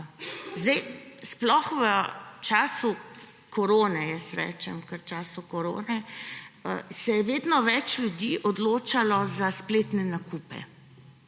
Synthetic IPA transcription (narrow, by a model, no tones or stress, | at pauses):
zd̪ɛjsplɔxʋət͡ʃaːsu | kɔɾoːnɛjɛsɾɛ̰ːt͡ʃɛmkəɾt͡ʃaːsukɔɾo̰ːnɛ | sɛjɛʋeːd̪nɔʋɛt͡ʃlʲjud̪iːʔɔd̪loːt͡ʃalɔzaspleːt̪nɛnakuːpɛ̰